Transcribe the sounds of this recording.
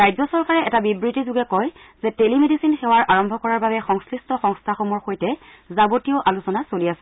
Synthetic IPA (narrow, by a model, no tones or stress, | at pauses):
ɹajzɔsɔɹkaɹɛɛtabibɹitizʊɡɛkɔj | z̥ɛtelimedisinxɛwaɹʔaɹɔmbʱɔkɔɹaɹbabɛxɔŋskɹistɔxɔŋstʰaxɔmɔɹxojtɛ | zabotijoʔalusɔnasoliasɛ